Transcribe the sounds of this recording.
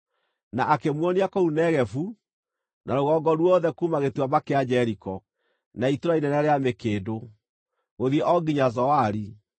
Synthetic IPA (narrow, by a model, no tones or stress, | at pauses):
naʔakemwɔniakounɛɣɛfu | nʔaɾoɣɔɡɔɾwɔðɛkumaɣetwabakead͡ʑɛɾikɔ | naitoɾainɛnɛɾeamekeːdo | ɣoðiɛʔɔɡiɲazɔaɾi